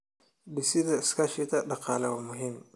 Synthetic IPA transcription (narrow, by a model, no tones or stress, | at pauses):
bɪsɪðɐɪskʰɐʃɪt̪ʰɐɖɑqɑːlɛwɐmʊɦiːm